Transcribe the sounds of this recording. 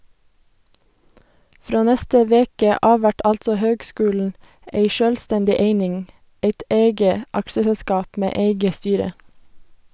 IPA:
ˈfɾoː ˈnɛstə ˈʋeːkə ˈɑː ˈʋæʈ ˈʔɑltsɔ ˈhøːɡˌskʉːln̩ ə ˈeɪ ˈʃøːlˌstɛndɪ ˈeɪnɪŋ ˈeɪt ˈeɪɡə ˈɑkʃəsɛlˌskɑːp ˈmeː ˈeɪɡə ˈstyːɾə

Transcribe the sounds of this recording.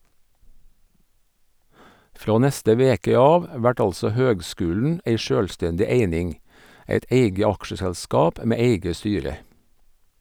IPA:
ˈfɾoː ˈnɛstə ˈʋeːkə ˈɑːʋ ˈʋæʈ ˈɑlsɔ ˈhøːɡˌskʉːln̩ ˈʔeɪ ˈʃøːlˌstɛndɪ ˈeɪnɪŋ ˈeɪt ˈʔeɪɡə ˈɑkʃəsælˌskɑːp ə ˈmeː ˈeɪɡə ˈstyːɾə

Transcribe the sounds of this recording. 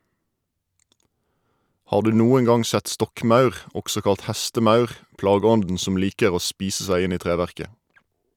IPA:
ˈhɑːʁ ˈdʉː ˈnuːəŋ ˈɡɑŋ ˈsɛt ˈstɔkˌmɑʉʁ ˈɔksɔ ˈkɑlt ˈhæstəˌmɑʉʁ ˈplɑːˌɡɔndn̩ ˈsɔm ˈliːkəʁ ˈoː ˈspiːsə ˈsæɪ ˈɪn ˈiː ˈtʁeːʋæʁkə

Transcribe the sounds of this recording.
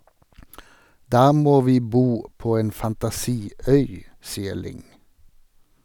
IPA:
ˈdɑː ˈmoː ˈʋiː ˈbuː ˈpoː ˈeːn fɑntɑˈsiː ˈœʏ ˈsiːə ˈɭɪŋ

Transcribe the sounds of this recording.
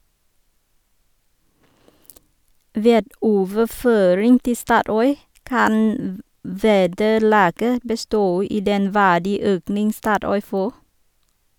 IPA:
ˈʋeːd ˈoːʋəˌføːɾɪŋ ˈtɪ ˈstɑːˌtɔʏ ˈkɑn m ˈʋeːdəˌlɑːɡə bəˈstoː ˈiː ˈdɛn ˈʋæːɖiːˌøːknɪŋ ˈstɑːˌtɔʏ ˈfoː

